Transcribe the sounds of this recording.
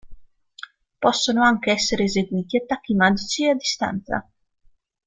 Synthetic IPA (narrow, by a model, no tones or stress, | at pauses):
pɔsːonoaŋk̟eɛsːeɾeːzeɡwiːt̪iat̪ːakːimad̪it͡ʃiad̪ːist̪a̰nt̪sa̰